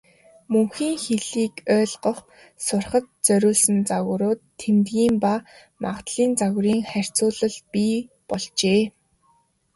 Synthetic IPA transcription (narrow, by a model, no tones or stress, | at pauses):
mɵŋxiːŋxeɮiːkœːɮɢə̆χ | sʊrχə̆t̪̚t͡sœɾʲʊːɮsə̆nt͡saɣ̆ɾʊːt̪ʰːemt̪ɣiːmpa | ma̰ʁt̪ɮiːnt͡saɣ̆ɾiːŋχær̥ʲt͡sʊːɮə̆ɮpiːpɔɮt͡ɕeː